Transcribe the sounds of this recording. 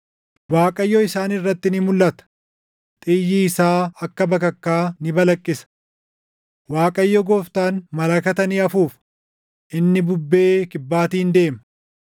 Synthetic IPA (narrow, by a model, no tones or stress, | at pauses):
waːkʼɐjːɔɪsaːnɪrːɐt̪ːɪnɪmʊlːɐt̪ɐ̥ | t̪ʼɪjːiːɪsaːɐkːɐbɐkɐkːaːnɪbɐlɐkʼːɪsɐ̥ | waːkʼɐjːɔɡoːft̪aːnmɐlɐkɐt̪ɐniːɐfuːf | ʔɪnːɪbʊbːe̞ːkɪbːaːt̪iːnd̪e̞ːmɐ